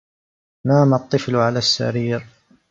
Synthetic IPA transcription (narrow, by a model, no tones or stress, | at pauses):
naːmɑt̪ˤːɨflʕalaːsːa̰ɾiːɾ